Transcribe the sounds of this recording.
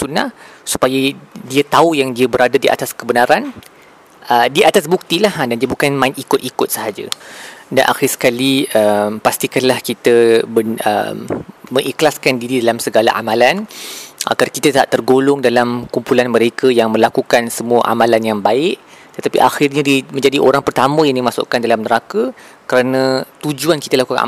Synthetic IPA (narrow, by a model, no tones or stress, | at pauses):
sunahsu̥pajadiat̪aujaŋdiabəɾadadiʔa̰t̪askəbənaɾan | ədiʔat̪as̬buk̚t̪ilahdandiabukanmãɪt̪ikʊt̪ikʊt̪̚səɦad͡ʒada̰nʔa̰xirsə̥kaliəmpast̪ikanlahkit̪əbəə̰mːə̃ŋʔiklaskandiɾidalamsəɡala̰ʔamãlanʔa̰ɡarkit̪ət̪aʔt̪ːərɡolʊŋdalamkumpulanmə̃ɾekəjaŋmə̃lakukansəmuəʔa̰mãlanjaŋbaɪʔ̚t̪ət̪apiʔaxirɲədimə̃ɲd͡ʒadiʔoɾaŋpərt̪amə̃jaŋdimasʊ̰ʔkandalamnəɾakə | kəɾanə̃t̪ud͡ʒuanki̥t̪əlakuka̰n̰